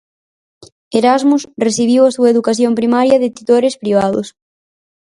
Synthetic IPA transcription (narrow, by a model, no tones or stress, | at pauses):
eɾazmusreθiβ̞iwɐsuɐeðukaθjompɾimaɾjɐðɪt̪it̪oɾɪspɾiβ̞aðʊ̰s